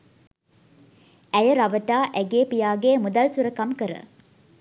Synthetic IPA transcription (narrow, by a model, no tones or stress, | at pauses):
ʔæjəɾaʋəʈaːʔɛɡeːpijaːɡeːmud̪ɐlsuɾəkɐmkəɾə̰